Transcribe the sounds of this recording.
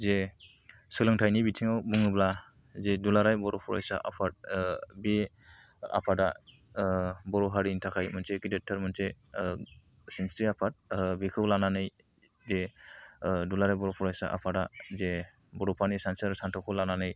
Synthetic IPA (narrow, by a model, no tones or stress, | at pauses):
ze | sɯlɯŋtʰajnibitʰiŋawbuŋɯbla | zedulaɾajbɔɾɔpʰɔɾa̰jsa̰ʔa̰pʰat̚be | a̰pʰada | bɔɾɔɦaɾintʰakʰajmɯnseɡidetʰːɯɾmɯnse | sinstiapʰat̚bikʰɯwlananɯj | ze | dulaɾajbɔɾɔpʰɔɾajsa̰ʔa̰pʰadaze | bɔɾɔpʰanisansaɾsantʰɔkʰɯlananɯj